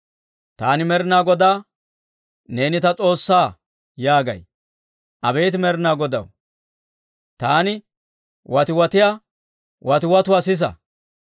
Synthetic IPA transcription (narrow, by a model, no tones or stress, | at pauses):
t̪aːnɪmɛɾɪnaːɡɔd̪aː | ne̞ːnɪt̪ɐt͡sʼo̞ːsːaː | jaːɡɐ̰j | ʔɐbeːt̪ɪmɛɾɪnaːɡɔd̪ɐ̰w | t̪aːnɪ | wʔɐt̪ɪwɐt̪ɪja | wɐt̪ɪwɐt̪ʊwaːsɪs̬ɐ̰